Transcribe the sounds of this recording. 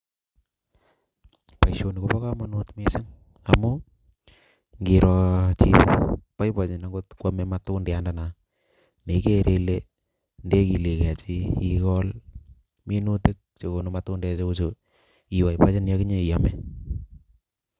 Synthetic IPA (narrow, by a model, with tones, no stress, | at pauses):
pa˨jʃo˨ni˨ko˦pɔ˦ka˦ma˦nu˦tme˦sɪ˦ŋ | a˨mʊ˦ | ŋɡi˨ɾɔt͡ʃḭ˦pa˦jpa˨t͡ʃɪ˨na˨ŋɡo˦tkwa˦mɛ˦matundi˨a˦nda˨na˨ | ne˨˦ke˦ɾʔe˦le˦ | nde˦ki˨le˨kɛ˨t͡ʃɪ˦i˦kɔ˦l | mi˦nu˦tɪ˦k̚t͡ʃe˨ko˨nu˨˦matʊ˦nde˦t͡ʃe˦ku˦t͡ʃo˨ | i˨wa˨jpa˦t͡ʃɪ˦n˦a˦kɪ˦ɲe˦i˨ja˦mɛ˦